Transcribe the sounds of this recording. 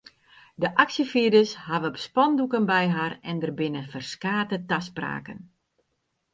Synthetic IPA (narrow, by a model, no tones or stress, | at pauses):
dəʔaksjəfiədəshaʋəbəspɔndukənbɛjɦarɛndərbɪnəfərskaːtətaspra̰ːkə̰n